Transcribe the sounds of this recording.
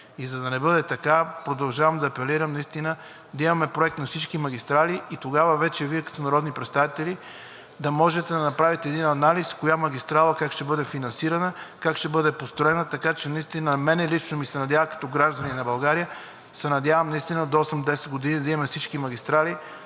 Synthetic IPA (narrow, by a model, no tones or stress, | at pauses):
izɐd̪ɐnɛbɤd̪ɛt̪ɐkapɾod̪ɐlˠʒavɐmd̪ɐːpɛliɾəmnɐist̪inə | d̪ɐimɐmɛpɾoɛk̚t̪nɐfsit͡ʃkimɐɡist̪ɾaliit̪oɡavəvɛt͡ʃɛviɛkɐ̥t̪onɐɾɔd̪nipɾɛt̪st̪avit̪ɛli | d̪ɐmɔʒɛt̪ɛd̪ɐnɐpɾavit̪ɛːd̪inɐnaliskojamɐɡist̪ɾalˠɐkakʃt̪ɛbɤd̪ɛfinɐnsiɾɐnəkakʃt̪ɛbɤd̪ɛpost̪ɾoɛnət̪ɐkat͡ʃɛnɐist̪inəmɛnɛlit͡ʃnomisɛnɐd̪javɐkɐ̥t̪ɔɡɾaʒd̪ɐninɐbɐlˠɡaɾijə | sɛnɐd̪ʲjavɐmnɐist̪inəd̪oɔsɛmd̪ɛsɛd̪̚ɡod̪inid̪ɐimɐmɛfsit͡ʃkimɐɡʲist̪ɾali